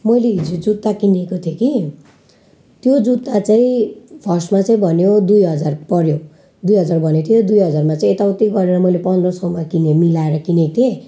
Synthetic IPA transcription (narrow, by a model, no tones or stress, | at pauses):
mʌjleɦid͡zod͡zut̪ːakinekot̪ʰjoki | t̪jod͡zut̪ːat͡saĩbʰʱʌrsmat͡saĩbʱʌnjod̪ujɦʌd͡zarpʌɾjo | d̪ujɦʌd͡zarbʱʌnjot̪ʰijod̪ujɦʌd͡zarmat͡saĩet̪awt̪iɡʌɾeɾʌmʌjlepʌnd̪rʌsʌwmakinemilaeɾʌkinet̪ʰe